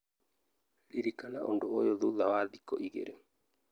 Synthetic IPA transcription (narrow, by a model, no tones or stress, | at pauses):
liɾikanaʔo̰ndoojoðuðawaðikɔʔiɣḛɾe